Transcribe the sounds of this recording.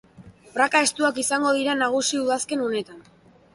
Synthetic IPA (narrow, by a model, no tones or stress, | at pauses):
brakae̞st̪uakisaŋɡo̞ð̞iɾanaɣ̞usiuðaske̞none̞t̪an